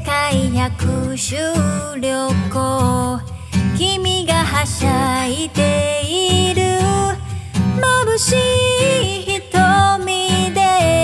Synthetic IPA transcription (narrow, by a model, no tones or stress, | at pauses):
kaijakʰɯɕɨɾʲjoko | kʲimʲiɡaɦaɕait̪eiɾɯ | mabɯɕi | çit̪omʲid̪e